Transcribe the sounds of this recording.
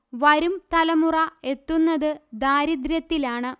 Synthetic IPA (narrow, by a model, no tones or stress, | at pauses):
ʋɐɾumt̪ɐlɐmurɐe̞t̪ːunːɐðɨd̪aːɾid̪ɾjɐt̪ːilaːɳɨ